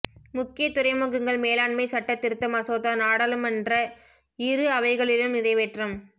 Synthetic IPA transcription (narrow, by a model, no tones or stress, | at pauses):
mʊkːɪjɐt̪ːʊɾɐɪmɐɣɯŋɡɐɭmeːlaːɳmɐɪsɐʈːɐt̪ːɪɾɯt̪ːɐmɐsoːðanaːɽɐlɯmɛndrɐ | ɪɾɯɐʋɐɪɣɐɭɪlɯmɪðɐɪʋeʈrɐm